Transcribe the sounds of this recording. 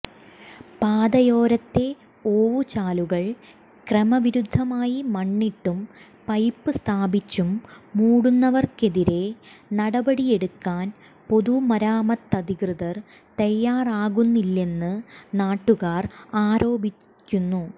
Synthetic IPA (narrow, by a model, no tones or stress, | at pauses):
paːd̪ɐjo̞ːɾɐt̪ːe̞ | oːʋut͡ɕaːluɣɐɭ | kremɐʋiɾud̪ʱːɐmaːjimɐɳːiʈːum | pɐjpːɨst̪ʰaːbit͡ɕːumːuːɽunːɐʋɐrke̞ðiɾe̞nɐɽɐbɐɽije̞ɽukːaːn | po̞ðumɐɾaːmɐt̪ːɐd̪ʱikrɨðɐr | t̪ɐjːaːraːɣunːilːe̞nːɨnaːʈːuɣaːraːɾo̞ːbʱiː | unːu